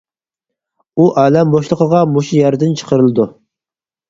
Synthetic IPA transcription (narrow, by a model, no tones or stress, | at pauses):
uʔæːlɛmboʃlˠəqʰəʁɑmoʃujæɾd̪ɪnt͡ʃʰə̥qʰəɾɨlˠɨd̪u